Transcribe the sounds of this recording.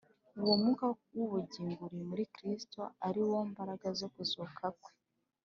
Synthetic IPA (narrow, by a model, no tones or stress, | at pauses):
uwomŋukawuβuɟiːŋɡuɾimuɾikɾistoaɾiwombaɾaɡazo̞kuzukʰakwe̥